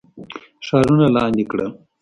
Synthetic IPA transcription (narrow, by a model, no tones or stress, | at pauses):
ʃɑɾunalɑːnd̪ikɽə̰